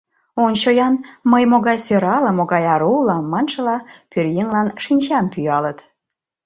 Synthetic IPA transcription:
ont͡ɕojɑnməjmoɣɑjsøɾɑlə̆moɣɑjɑɾuulɑmɑnʃə̆lɑpørjeŋlɑnʃinʲt͡ɕɑmpyjɑlət̪

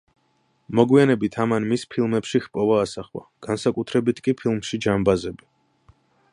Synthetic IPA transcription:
mɔɡwianɛbit̪ʰamanmispʰilˠmɛpʃixpʼɔvaːsaχwa̰ɡ̥ansakʼut̪ʰɾɛbit̪ʰkʼipʰilˠmʃid͡ʒambazɛbi

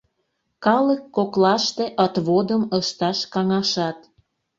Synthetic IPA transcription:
kɑləkːoklɑʃt̪eʔət̪βod̪əməʃt̪ɑʃkɑŋɑʃɑt̪

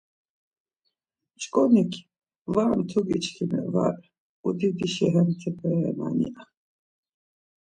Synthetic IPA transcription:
t͡ʃkʼɔnikʲʰ | vant̪ʰuɡit͡ʃkʰinɛ̰va̰ɾ | ud̪id̪iʃɛɦɛmt̪ʰɛpʰɛɛna̰nḭʔa

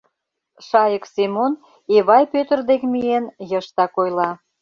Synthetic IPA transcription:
ʃɑjəksemon | eβɑjpøt̪ərd̪ekmienjəʃt̪ɑkojlɑ

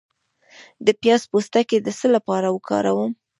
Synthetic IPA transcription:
d̪əpjɑzpost̪aked̪əsəlapɑɾawəkʰɑ̰ɾa̰wəm

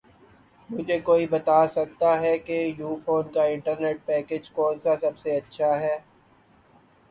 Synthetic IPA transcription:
mʊd͡ʒʱekoːibɐt̪aːsɐk̚t̪aɦɛkejuːfoːnkaɪ̃ɳʈəɾneːʈ̚pɛːkeːd͡ʒkɔːnsasɐbseɐtːʃʰaɦɛː

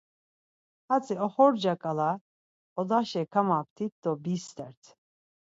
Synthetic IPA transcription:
hat͡sʼiɔχɔɾd͡ʒakʼala | ɔd̪aʃɛkʰamap̚t̪ʰit̪̚d̪ɔbist̪ʼɛɾt̪ʰ

